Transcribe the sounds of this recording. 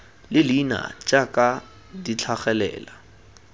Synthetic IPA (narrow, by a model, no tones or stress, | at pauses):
lɪlina̰t͡ʃʼakʼa | dit͡ɬʰaχɛlɛ̰ːla